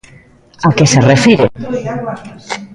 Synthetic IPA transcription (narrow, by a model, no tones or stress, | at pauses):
akeserefiɾḛ